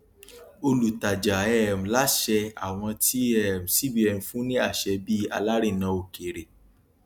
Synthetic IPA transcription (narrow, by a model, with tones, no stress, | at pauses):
o˧lu˨ta˨d͡ʒa˨ɛ˦˨m̩˨la˨˦ʃɛ˧a̰˨w̃ɔ̃˧ti˦ɛ˦˨m̩̃˨si˦bi˧˦ɛ˧n̩˧fũ˦nĩ˦a˦˨ʃɛ˧bi˦a̰˧la˦ɾi˦˨nã˧˦o˧˨ke˨ɾe˨